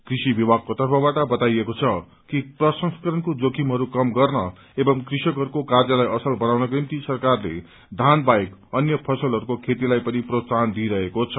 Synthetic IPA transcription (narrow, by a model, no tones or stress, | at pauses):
krisibibaɡ̚kot̪ʌrpʰʌbaʈʌbʌt̪ajekot͡sʰʌ | kiprʌsʌŋskʌɾʌnkod͡zokʰimɦʌɾukʌmɡʌrnʌ | ebʌmkrisʌkɦʌɾukokard͡zʌlajʌsʌlbʌnawnʌkrimt̪isʌrkarlḛ | d̪ʱanbajkʌnjʌpʰʌsʌlɦʌɾukokʰet̪̬ilajpʌniprosand̪iɾʌɦekot͡sʰʌ